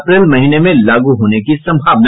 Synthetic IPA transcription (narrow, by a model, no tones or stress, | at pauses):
pɾeːlmɐɦiːnemẽlaːɡuɦoːnekisɐ̃mbʱaːʋna